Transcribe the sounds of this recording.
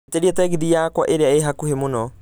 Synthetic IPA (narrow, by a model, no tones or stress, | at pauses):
teɾiɛtɛːɣiðijaːkwaʔeɾeaeɦakuhemonɔ